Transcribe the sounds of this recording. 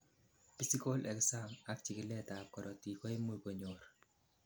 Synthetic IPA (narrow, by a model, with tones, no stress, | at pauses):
pi˦si˦ko˦lʔɛ˨ksa˦ŋa˦k̚t͡ʃi˨kɪ˨lɛ˦ta˨p̚kɔ˨ɾʔɔ˨ti˨kɔ˦i˦mu˦˨pɔ˨ɲo˨ɾ